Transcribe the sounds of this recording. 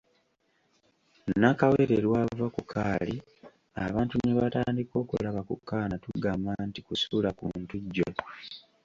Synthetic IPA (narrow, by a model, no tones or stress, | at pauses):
nakaweːɾeɾwaːvakukʰaːli | aβaːntuneβataːndiko̞ːkṵlaβakṵkːaːnatuɡaːmantikusulakuntuɟːo